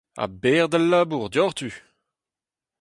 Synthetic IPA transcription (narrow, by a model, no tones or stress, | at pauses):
a̰bɛːʁd̪alːaːbuʁd̪jɔʁt̪y